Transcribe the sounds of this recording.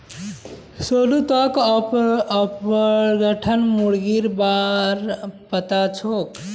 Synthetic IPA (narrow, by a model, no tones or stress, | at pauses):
solut̪ɔkː | pɡəʈʰənmuɽɡiɾbaɾpət̪at͡ʃʰok